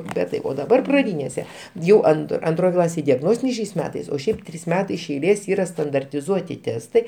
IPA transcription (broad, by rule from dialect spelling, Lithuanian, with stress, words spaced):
bʲɛt tɐɪ oː dɐˈbɐr prɐˈdʲiːnʲeːsʲɛ ˈjɛʊ ɐn ɐnˈtroːj ˈklˠɑːsʲeːj dʲɛˈɡnoːsʲtʲɪnʲɛɪ ʃʲɛɪs ˈmʲæːtɐɪs oː ˈʃʲɛɪp ˈtʲrʲiːs ˈmʲæːtɐɪ ɪʃ ɛɪˈlʲeːs ˈiːrɐ stɐndɐrʲtʲɪˈzuɔtʲɪ ˈtʲæːstɐɪ